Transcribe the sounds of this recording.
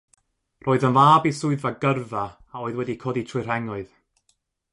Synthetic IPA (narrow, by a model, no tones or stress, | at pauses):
rʔoːɨðənvaːbisʊɨðaɡərvaː | oːɨðwɛdikʰoːditʰɨr̥ɛŋʊɨð